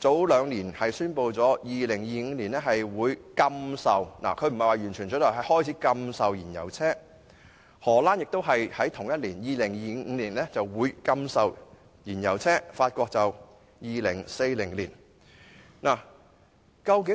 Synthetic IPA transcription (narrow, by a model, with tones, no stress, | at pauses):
t͡so˨˥wlœː˨˧ŋliː˨˩nhɐ˨jsyː˥npo˧wt͡sɔː˨˥jiː˨lɪ˨˩ŋjiː˨˧ŋ̩ː˧liː˨˩nlɛː˥ɦɐ˨jwuː˨˧jkɐ˧msɐ˨wna̰˨˩kʰɵ˨˧ɥm̩˨˩hɐ˨jwaː˨˧jɥyː˨˩nt͡ʃʰyː˨˩nt͡sɔ˨˥tlɔ˨˩ɦɐ˨jhɔː˥jt͡sʰiː˨˥kɐ˧msɐ˨wjiː˨˩njɐ̰˨˩wt͡sʰɛː˥ | hɔː˨˩laː˥njɪ˨k̚t̪o˥wɦɐ˨jhɐ˨˥jt̪ʰʊ˨˩ŋjɐ˥t̚liː˨˩njiː˨lɪ˨˩ŋjiː˧ŋ̩˨˧liː˨˩nlɛː˥t͡sɐ˨wwuː˨˧jkɐ˥msɐ˨w | jiː˨˩njɐ˨˩wt͡sʰɛː˥faː˧t̚kʷɔː˧k̚t͡sɐ˨w | jiː˨lɪ˨˩ŋse˧jlɪ˨˩ŋliː˨˩n | naː˨˩ | kɐ˧wkɪ˨˥